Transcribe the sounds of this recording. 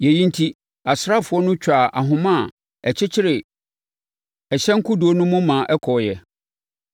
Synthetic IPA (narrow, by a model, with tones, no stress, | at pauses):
jɛ˨jĩ˦n˦tʰi˦ | a˨sɾa˦˨fʊ˨˦ɔ˦nʊ̃˦t͡ɕᶣa˨ʔa̰˨ɦʊ̃˨mã˦˨ | ɛ˨t͡ɕʰɪ˦t͡ɕʰɪ˦ɾɪ˨ | ɛ˨ɕɛ̃˦ŋ̩˦kʰʊ˦du˨o˦nʊ̃˦mʊ̃˦mã˨ʔɛ˦kʰɔ˨jɛ˨